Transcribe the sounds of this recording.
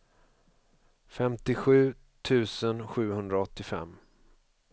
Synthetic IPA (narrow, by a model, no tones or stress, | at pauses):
fɛmt̪ɪɧʉ̟ː | t̪ʰʉ̟ːsənɧʉ̟ːhɵnd̪ɾaɔt̪ːɪfɛ̰mː